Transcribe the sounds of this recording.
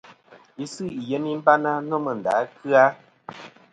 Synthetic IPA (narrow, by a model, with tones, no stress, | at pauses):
i˦sɨ˦˨ʔjɛ˦ni˦m̩˦ba˦na˦nɔ˦mə˨n̩˨da̰˨˦kɨ˦a˦